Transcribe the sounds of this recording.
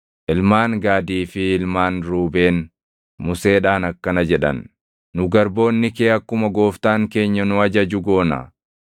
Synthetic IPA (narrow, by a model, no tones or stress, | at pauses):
ʔɪlmaːŋɡaːd̪iːfɪɪlmaːnɾuːbe̞ːn | mʊse̞ːᶑaːnɐkːɐnɐd͡ʒɛᶑɐ̰nː | ʊɡɐɾbo̞ːnːɪkeːɐkːʊmɐɡo̞ːft̪aːŋke̞ːɲːɐnʊɐd͡ʒɐd͡ʒʊɡo̞ːnɐ̰